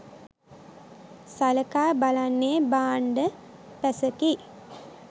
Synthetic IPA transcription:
saləkaːbalanːebaːɳɖə | pæsəki

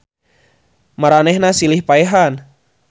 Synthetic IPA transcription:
maɾanɛhnasilihpaɛɦan

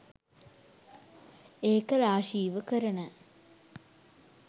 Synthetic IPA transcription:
eːkəɾaːʃiːʋəkəɾənə

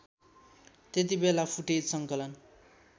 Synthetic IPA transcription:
t̪et̪̬ibelapʰuʈed͡zsʌŋkʌlʌn

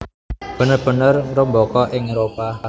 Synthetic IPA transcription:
b̥ə̤nərb̥ə̤nərŋɾəmbɔkɔʔɪŋɾopa

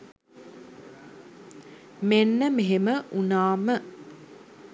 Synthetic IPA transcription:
menːəmeɦeməʔunaːmə

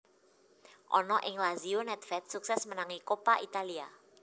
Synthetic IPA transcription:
ʔɔnɔʔɪŋlazionɛt̪̚fɛt̪̚suksɛsmənaŋikopaʔit̪alia

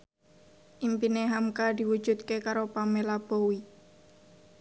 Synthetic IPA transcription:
ʔimpineɦamkad̪̥i̤wud̥ʒ̥ṳt̪̚kekaɾopamelab̥owi

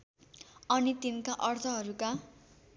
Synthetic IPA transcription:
ʌnit̪inkaʔʌrt̪ʰʌɦʌɾuka

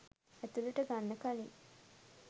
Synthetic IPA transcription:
æt̪uluʈəɡanːəkali

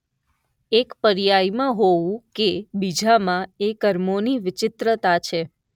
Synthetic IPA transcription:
ekpəɾjajmãɦoʋũkebid͡ʒʱamãekəɾmoniʋɪt͡ʃɪt̪ɾət̪at͡ʃʰe

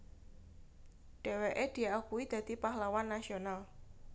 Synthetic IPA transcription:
ɖ̥ɛ̤weʔed̪̥i̤akuwid̪̥ä̤d̪̥ipahlawanːasional

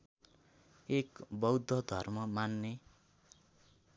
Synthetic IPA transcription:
ekbʌwd̪ʱːʌd̪ʱʌrmʌmanːe

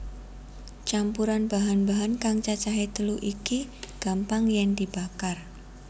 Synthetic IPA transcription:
t͡ʃampuɾanb̥aɦanbaɦankaŋt͡ʃat͡ʃaɦet̪əluʔikiɡ̥ampaŋjɛŋd̪̥ib̥a̤kar

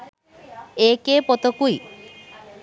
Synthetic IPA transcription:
ekepɔt̪ɔkui

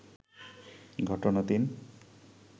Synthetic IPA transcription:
ɡʱɔʈɔnat̪in

